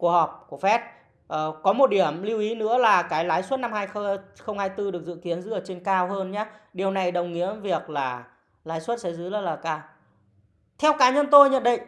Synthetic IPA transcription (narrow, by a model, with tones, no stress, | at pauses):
ku˧˩ək̚hɔ˨˩p̚ku˧˩əkfɛ˦˥t̚ | ʔəː˨˩kɔ˨˦mo˨˩t̚ɗi˧˩əmli˧wʔi˨˦nɨ̰˧˥əlaː˨˩kaː˨˦jlaː˨˦jswə˦˥t̚na˧mhaː˧jxə˧xə˧wŋ͡mhaː˧jt̪ɨ˧ɗɨ˨˩ək̚zɨ̰˧˨ki˨˦ənzɨ̰˧˦˥ə˨˩t͡ɕe˧nkaː˧wɦəː˧nɲaː˨˦ɗi˨˩əwna˨˩jɗə˨˩wŋ͡mŋḭ˧˥əvi˨˩ək̚laː˨˩ | laː˨˦jswə˦˥t̚sɛ̰˧˥zɨː˨˦lə˧˦˥laː˨˩kaː˧w | t̪ʰɛ˧wkaː˨˦ɲə˧nt̪o˧jɲə̰˧˨nɗḭ˧˨j